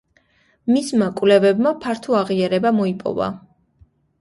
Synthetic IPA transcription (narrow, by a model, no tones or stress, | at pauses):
mismakʼwvlɛvɛbmapʰaɾt̪ʰuaʁiaɾɛbamɔipʼɔ̰va̰